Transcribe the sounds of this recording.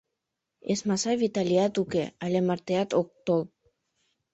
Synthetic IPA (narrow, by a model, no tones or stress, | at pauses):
esmɑsɑβit̪aliɑt̪ukeɑlʲemɑɾt̪eɑt̪ok̚t̪ol